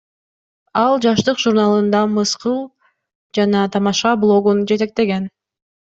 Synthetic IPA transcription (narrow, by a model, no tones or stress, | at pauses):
ɑlˠd͡ʒɑʃt̪ɯqʒuɾnalˠɯnd̪ɑmɯsqɯlˠ | d͡ʒɑnɑt̪ʰɑmɑʃɑblˠo̞ɡund͡ʒe̞t̪e̞k̚t̪e̞ɡe̞n